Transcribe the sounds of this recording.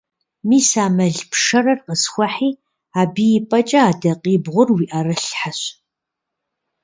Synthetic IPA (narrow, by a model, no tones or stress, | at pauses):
miːsaːmɐɮpʂɐrɐrqəsxʷɔħiː | aːbiːjɪpʼɐt͡ʃʼɐaːdɐqiːbʁʷʊrwiːʔɐrɨɬħaɕ